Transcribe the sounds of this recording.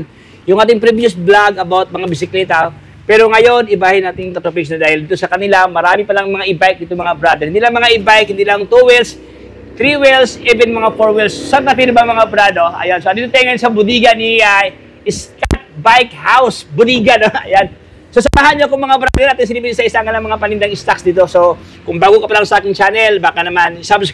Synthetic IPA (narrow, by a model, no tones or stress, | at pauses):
n | jʊŋʔaːt̪ɪŋpɾɪbid͡ʒosblaɡɐbawt̪̚mɐŋabɪsɪklɛt̪ɐ | pɛɾoŋɐjonɪbaːhɪnaːt̪ɪŋt̪ɐt̪opɛʃnɐd̪aːhɪld̪iːt̪osɐkɐnɪlamɐɾaːmɪpɐlaŋmɐŋaʔɪbajk̚d̪iːt̪oŋmɐŋabɾad̪ɛɾhɪnd̪iːlɐŋmɐŋaʔɪbajk̚hɪnd̪iːlɐŋt̪uwils | t̪ɾiwilsʔɛbɛnmɐŋafoɹwilssab̚nat̪inɐbɐŋmɐŋabɾad̪oʔɐ̰jansoʔɐnd̪iːt̪ʊt̪ːajŋːɐjonsɐbʊd̪iːɡɐnia | ɪskat̪̚bajkhawsbʊd̪iːɡɐnoɐjan | sos̬ɐmaɦanɲokʊŋmɐŋabɾa̰d̪ɛɾnaːt̪ɪŋs̬ɪlipinsɐʔɪsaŋɐlɐŋmɐŋapɐnɪnd̪ɐŋɪst̪aksd̪iːt̪oso | kʊŋbaːɡokɐpɐlalsɐʔaːkɪŋt͡ʃanɛlbaːkɐnɐmansabɪs